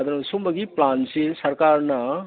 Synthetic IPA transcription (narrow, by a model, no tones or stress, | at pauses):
d̪ɐnsumɐɡiplaːnsisɐɾkaːɾna